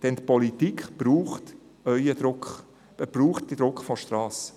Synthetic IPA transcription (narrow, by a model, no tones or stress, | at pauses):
d̥ɛnt̪pɔlit̪ikχb̥ɾuːχt | œʏəd̪ɾʊkχ | b̥ruːχtd̥id̥̪ɾʊkχfɔʃt̪rɑːs